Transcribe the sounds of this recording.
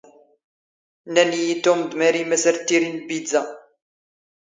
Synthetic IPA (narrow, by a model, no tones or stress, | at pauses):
nænijit̪ːomd̪mæɾimæsəɾt̪ːiɾinbid͡zæ